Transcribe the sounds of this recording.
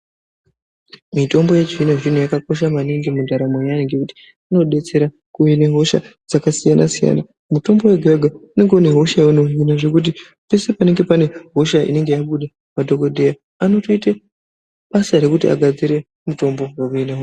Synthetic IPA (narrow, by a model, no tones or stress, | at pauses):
mito̞mbo̞jed͡ʒinaʐin̤ujakako̞ʃamaniŋɡemudʱaɾamwejaneŋɡekuti̥ | ano̞ɗe̞t͡se̞ɾa | kuine̞ɦo̞ʃad͡zakasijanasija̰na | muto̞mbo̞weɡʱaɡʱaune̞ŋɡune̞ɦo̞ʃajauno̞ɦinaʐe̞kut̬i | pe̞se̞pane̞ŋɡe̞pane̞ɦo̞ʃaḭne̞ŋɡe̞jaɓuɗa | madʱo̞ko̞dʱeja | ano̞to̞ita | ɓasaɾe̞kutia̰ɡʱad͡ziɾe̞ | muto̞mbo̞wakuinaɦo